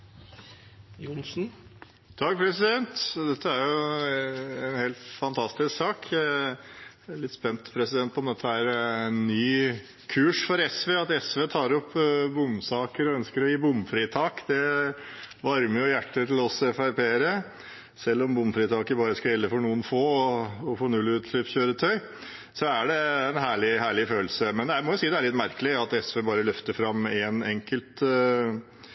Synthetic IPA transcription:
jʊnsn̩ | t̪ʰɑk̚ːpʰɾɛsɪd̪ɛnt̪d̪ɛt̪ʰːəæɾjʊ | ɛnheːlt̪fɑnt̪ʰɑst̪ɪsksɑːkʰ | ɭɪt̪ːspɛnt̪pʰɾɛsɪd̪ɛnt̪ɔɔmd̪ɛt̪ʰːəæɾnːyː | kʰʉːʂfɔɾɛsʋeːɑt̪ɛsʋeːt̪ʰɑːɾɔpːbʊmsɑːkəɾɔœnskəɾɔjiːbʊmfɾiːt̪ʰɑːkd̪ɛ | ʋɑɾməɾjʊjæʈːət̪ʰɪl̩ɔsɛfæɾpeːɾə | sɛlːɔmbʊmfɾiːt̪ʰɑːkəbɑːɾəskɑjɛlːəfɔɳuːənfoːɔɔfɔːɳʉlːʉːt̪lyːpçøːɾət̪ʰœʏ | sɔæɖɛːnɦæːɭɪhæːɭɪføːlsəmɛnd̪ɛæmɔjʊsiːəd̪ɛæɭɪt̪ːmæɾkəlɪɑt̪ɛsʋeːbɑːɾəlʏft̪əɾfɾɑmːɛnɛŋkəlt̪

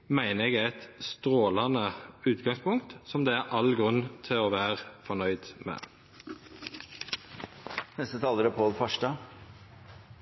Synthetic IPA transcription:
mæɪnəɛɡæɪt̪st̪ʁoːlɑnəʉːt̪ɡɑŋspʊŋt̪sɔmd̪eːæʔɑlɡʁʉnt̪ʰɪoːʋæːʁfɔnœʏd̪mḛː | nɛst̪ət̪ʰɑːləɾəpʰoːlfɑʂɖɑː

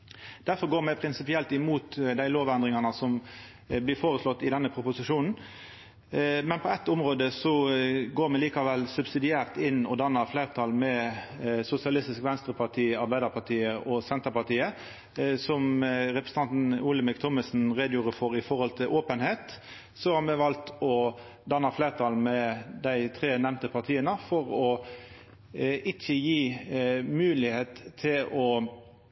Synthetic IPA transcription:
d̪̥æʁfɔʁɡoːɾmɛpʰɾɪnsɪpɪɛlt̪ɪmuːt̪d̪æɪloːʋænd̪ʁɪŋɑnəsɔm | blɪfoːʁəslɔt̪ːɪd̪ɛnːəpʰɾʊpʊsɪʂuːnn̩ | mɛnpʰɔɛt̪ːʊmʁoːd̪əsɔɡoːɾmɛliːkɑʋɛlsʉbsɪd̪ɪæːʁt̪ɪnːɔd̪ɑnːəɾfleːʁt̪ʰɑlmɛ | sʊsɪɑlɪst̪ɪskʋɛnst̪ɾəpʰɑʁt̪ʰiːɑɾbæɪd̪ɑʁpʰɑt̪ʰiːəʔɔsɛnt̪əʁpɑt̪iːə | sɔmʁɛpʁəsə̥ɑnt̪n̩uːləmɪkt̪ʰɔməsn̩ʁeːd̪juːʁəfɔɾɪfɔʁhɔlt̪ʰɪlʔoːpənheːt̪ | sɔhɑɾmɛʋɑlt̪ɔ | d̪ɑnɑfleːʁt̪ʰɑːlmɛd̪æɪt̪ʰʁeːnɛʋnt̪əpʰɑt̪ʰiːənəfɔɾɔ | ɪçəjiːmʉːlɪheːt̪ʰːɪlɔ

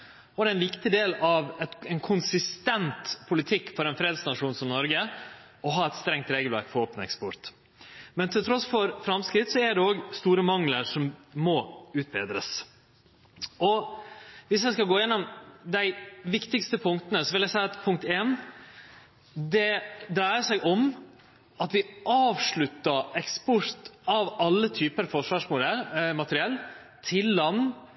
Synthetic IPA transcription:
ɔd̪ɛæɛnʋɪkt̪ɪd̪eːlɑʋɛɛɪnkʰʊnsɪst̪ɛnt̪pʰʊlɪt̪ʰɪkːfɔɾɛnfɾeːd̪snɑʂuːnsɔmnɔɾɡə | ɔɦɑːɛt̪st̪ɾɛŋt̪ɾeːɡəlʋæ̰ɾkfɔɾoːpənɛ̰kspɔɾt̪ | mɛnt̪ʰɪlt̪ʰɾɔsfɔɾfɾɑmskɾɪt̪sɔæɖɛoːɡst̪uːɾəmɑŋləɾʂɔmːɔʉːt̪̚bḛːd̪ɾəs | ɔ | ʋɪsjæɪskɑlɡoːjɛnːɔmd̪æɪʋɪkt̪ɪkst̪əpʰʊŋkt̪ənəsɔʋɪljæɪsæɪɑt̪pʰʊŋk̚t̪eːn | d̪ɛd̪ɾæɪəʂæɪʔɔm | ɑt̪ʋɪʔɑːʋʂɭʉt̪ːəɛkspɔɾt̪ɑʋɑlːət̪ʰyːpəɾfɔʂʋɑːʂmʊd̪ɛɾmɑt̪əɾɪɛlː | t̪ʰɪlːɑnː

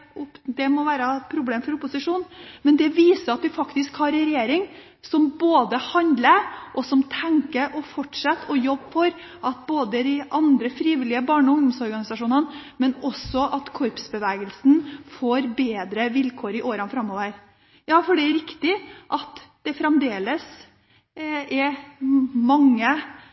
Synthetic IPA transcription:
ʊd̪ɛmɔʋæːɾəpʰɾʊbleːmfɔɾʊpːʊsɪʂuːnmɛnd̪ɛʋiːsəɾɑt̪̚d̪ɪfɑkt̪ɪskhɑɾɛɾɛjeːɾɪŋ | sɔmboːd̪əhɑnd̪ləɾʔɔsɔmt̪ʰɛŋkəɾʔɔfɔʈʂɑt̪ːɔjɔbːfɔɾ | ʔɑt̪̚boːd̪əd̪ɪʔɑnd̪ɾəfɾiːʋɪlːɪəbɑːɳɔʊŋd̪ɔmsɔɾɡɑnɪsɑʂuːnənmɛnɔsɔʔɑt̪kʰɔɾpsbəʋɛːɡəlsn̩foːɾbeːd̪ɾəʋɪlkʰoːɾɪʔoːɾənfɾɑmːoːʋəɾ | jɑːfɔɖɛæɾɪkt̪ɪʔɑt̪d̪̥ɛfɾɛmd̪eːləs | ɛ | mɑŋːə

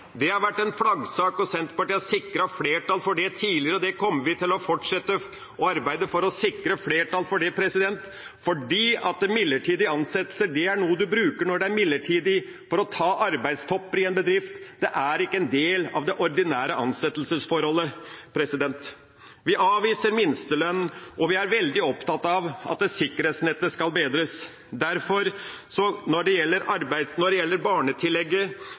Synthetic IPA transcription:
d̪ɛhɑɾʋæʈːɛnflɑɡsɑːkɔsɛnt̪pɑʈːɪsɪkɾɑfleːʈɑlfɔɖɛt̪ʰiːlɪəɾəɔd̪ɛkʰɔmːəʋɪt̪ʰɪlɔfɔʈʂɛt̪ːə | ɔɑɾbæɪd̪əfɔɾɔsɪkɾəfleːʈɑlfɔɖɛpʰɾɛsɪd̪ɛnt̪ | fɔɖiːɑt̪̚d̪ɛmɪlːəʈʰiːd̪ɪɑnsɛt̪ːlsəɖɛæɳuːəd̪ʉbɾʉːkəɳɔɖɛæɾmɪlːəʈʰiːd̪ɪ | fɔɾɔt̪ʰɑːʔɑɾbæɪd̪st̪ʰɔpːəɾɪɛnbəd̪ɾɪft̪d̪̥ɛʔæɾɪkːəɛnd̪eːlɑ̰ʋd̪ɛʔɔɾd̪ɪnæːɾəʔɑnsɛt̪ːəl̩səsfɔɾhɔlːəpʰɾɛsɪd̪ɛnt̪ | ʋɪʔɑːʋiːsəɾmɪnst̪əlœnɔʋɪæɾʋɛld̪ɪɔpt̪ɑt̪ːɑʋɑ̰t̪̚d̪ɛsɪkːəɾheːt̪snɛt̪ːəskɑlbeːd̪ɾəs | d̪æɾfɔɾsɔnɔɖɛjɛlːəɾɑɾbæɪd̪snɔɖɛjɛlːəɾbɑːɳət̪ʰɪlːɛɡːə

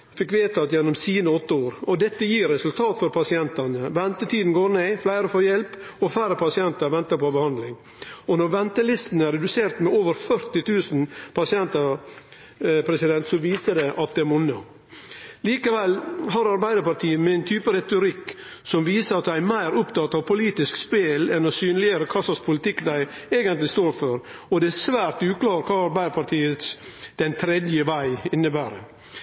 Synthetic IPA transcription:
fɪkʋeːt̪ʰɑt̪jɛnːɔmsiːnəɔt̪ːəoːɾɔd̪ɛt̪ːəjiːɾɛsʉlt̪ʰɑːt̪fɔɾpʰɑsɪɛnt̪ɑnəʋɛnt̪ət̪ʰiːd̪n̩ɡoːɾneːflæɪɾəfoːjɛlp | ɔflæɪɾəpʰɑsɪɛnt̪ɑɾʋɛnt̪əɾpɔbəhɑnd̪lɪŋ | ɔnɔɾʋɛnt̪əlɪst̪n̩æɾɛd̪ʉseːɾt̪mɛoːʋəɾfœɾt̪ɪt̪ʰʉːsn̩pʰɑsɪɛnt̪ɑ | pʰɾɛsɪd̪ɛnt̪sɔʋiːsəd̪ɛʔɑt̪̚d̪ɛæɾmʊnːə | liːkəʋɛlːɦɑɾɑɾbæɪd̪əɾpɑɾt̪ʰiːəmɛɪnt̪ʰyːpəɾɛt̪ʊɾɪkː | sɔmʋiːsəɾɑt̪̚d̪ææɪmæɪɾʊpt̪ɑt̪ɑʋpʰʊliːt̪ɪskspeːlɛnɔsyːnlɪəɾəkʰɑsɑspʰʊlɪt̪ɪkːd̪æɪ | eːɡənt̪lɪst̪oːɾføɾ | ɔd̪ɛæsʋæːɾt̪ʉːklɑːɾkʰɑːɑɾbæɪd̪əpɑɾʈ̪ʰiːət̪sd̪̥ɛnt̪ʰɾɛd̪jəʋæɪɪnːəbæːɾə

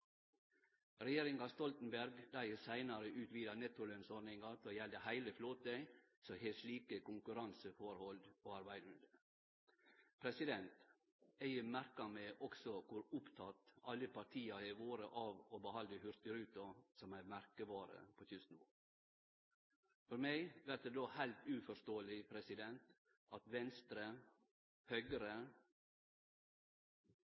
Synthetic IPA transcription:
ɾɛjeːɾɪŋɑst̪ɔlt̪n̩bæɾɡd̪æəsæɪnɑɾəʔʉːt̪ʋiːd̪ɑnɛt̪ʊlœnsɔɾnɪŋɑt̪ʰoːjɛld̪əhæɪləfloːt̪əɪ | sɔheːsɭiːkəkʊŋkʉɾɑnsəfɔɾhɔld̪oːɑɾbæɪd̪ʉnd̪ə | pʰɾɛsɪd̪ɛnt̪ | æɪəmæɾkɑmeːʔɔksɔkʰʊɾʊpt̪ʰɑt̪ɑlːəpʰɑʈʰiːɑæɪʋoːɾəʔɑːʋobəhɑləhʉɾt̪ɪɾʉːt̪ʊsɔmæmæɾkəbɑːɾə̰pʰot̪ʰʉsnʋo̰ː | fɔɾmæɪʋæʈ̚d̪eːd̪oːhæɪlt̪ʉːfɔʂt̪oːəlɪpʰɾɛsɪd̪ɛnt̪ | ɑt̪ʋɛnst̪ɾə | hœʏɡəɾə

